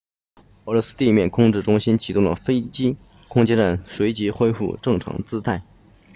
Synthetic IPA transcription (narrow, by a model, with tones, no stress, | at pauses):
ɤ˧˥ɻwɔ˧˥sɹ̩˥t̪i˥˧mjɛ˥˩nkʰʊ˥ŋʈ͡ʂɻ̩˥˩ʈ͡ʂʊ˥ŋɕi˥nt͡ɕʰi˨˩t̪ʊ˥˩ŋd̪ə˩fe˥ɪt͡ɕi˥ | kʰʊ˥ŋt͡ɕjɛ˥nʈ͡ʂa˥˩nʂwe˧˥ɪt͡ɕi˧˥xwe˥ɪfṵ˥˩ʈ͡ʂɤ˥˩ŋʈ͡ʂʰɑ̰˧˥ŋt͡sɹ̩˥t̪ʰa˥˩ɪ